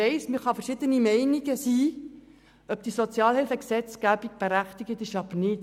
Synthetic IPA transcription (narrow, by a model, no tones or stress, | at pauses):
ɛɪsmɪɾχɑfərʃɪd̪ənimɛɪniɡəsiː | œp̚d̥̪isɔt͡sjɑːlhɪlfəksɛt͡skæb̥iɡ̚b̥eɾæχt̪iɡət̪ɪʃɑbəɾnɪt